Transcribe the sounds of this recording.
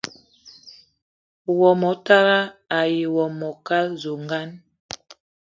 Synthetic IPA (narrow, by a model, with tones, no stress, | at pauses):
wɔ˨mɔ˨ta˦ɾa˦a˨ji˨wɔ˨mɔ˨ka˦lzo˨ŋɡa˦n